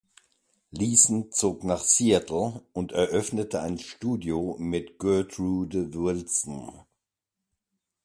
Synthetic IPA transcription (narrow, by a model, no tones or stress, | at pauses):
liːsn̩t͡soːknaːχsiːatʰl̩ʊntɛɐʔœfnətʰəaɪnʃtuːdjomɪtɡ̥œɐtʁuːdəvɪlsn̩